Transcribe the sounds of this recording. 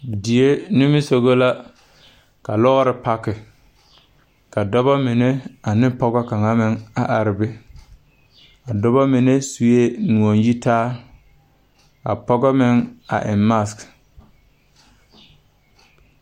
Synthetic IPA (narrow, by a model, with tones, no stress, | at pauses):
di˨e˦nɪ˦mɪ˦so˨ɣo˦la˦ | ka˨lɔ˦ɣɾɪ˦pa˦kɪ˨ | ka˨dɔ˦bɔ˦mɪ˨ne˦a˨nɪ˦pɔ˦ɡɔ˦ka˨ŋa˦mɪ˦ŋa˨ʔa˨ɾɪ˨bɪ˦ | a˨dɔ˦bɔ˦mɪ˨ne˦su˨je˦nu˨o˨nji˦taː˦ | a̰˨pɔ˦ɡɔ˦mɪ˦ŋa̰˨ʔɪ̰˨mma˦˨sk